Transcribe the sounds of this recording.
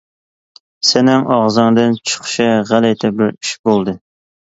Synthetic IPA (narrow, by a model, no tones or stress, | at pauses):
sɪnɪŋʔɑʁzɨŋd̪ɨnt͡ʃʰə̥χʃɪʁælɛt̪ʰɛbɪɾiʃbolˠd̪ɨ